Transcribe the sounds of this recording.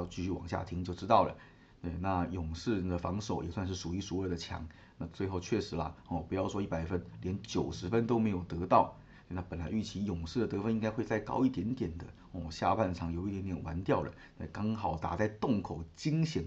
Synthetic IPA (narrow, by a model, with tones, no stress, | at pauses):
ʊt͡ɕy˥˧ɕy˥˩wɑ̰˨˩ŋɕja̰˥˩t̪ʰi˧˥ŋt͡ɕjo˥˧ʊʈ͡ʂɻ̩˥t̪ɑ˥˩ʊlə̰˩ | t̪we˥˩ɪna˥˩jʊ˨˩ŋʂɻ̩˥˩d̪ə˩fɑ˧˥ŋʂo˨˩ʊjo̰˨˩swa˥˧nʂ̬ɻ̩˥˩ʂu˨˩y˧˥ʂu˧˥ə˥˩d̪ə˦t͡ɕʰjɑ̰˧˥˦ŋ | na˥˧t͡swe˥˧ɪxo˥˧ʊt͡ɕʰɥɛ˥˩ʂɻ̩˧˥lɐ̰˧ɔ˥˩pu˧˥jɑ˥˩ʊʂwɔ˥i˥˩pa˨˩ɪfə˥nljɛ˧˥nt͡ɕjo˨˩ʊʂɻ̩˧˥fə˥nt̪o˥ʊme˧˥ɪjo˨˩ʊt̪ɤ˧˥t̪ɑ˥˩ʊ | se˧na˥˩pə˨˩nla˨˧˥ɪy˥˩t͡ɕʰi˧˥jʊ˨˩ŋʂɻ̩˥˩d̪ə˩t̪ɤ˧˥fə˥ni˥ŋka˥ɪxwe˥˧ɪt͡sa˥˩ɪkɑ̰˥˧ʊi˥˩t̪jɛ˧˥nt̪jɛ˨˩nd̪ə˦ | ɔ˥˩ɕja̰˥˧pʰa˥˧nʂʰɑ˥˩ŋjo˨˩ʊi˥˩jɛ˧˥nt̪jɛ˨˩nwʔa˧˥nt̪jɑ˥˩ʊlə̰˩t̪e˥˧˩kɑ˥ŋxɑ˨˩ʊt̪a̰˨˩t͡sa˥˧ɪt̪ʊ˥˩ŋkʰo˨˩ʊt͡ɕi˥ŋɕi˧˥n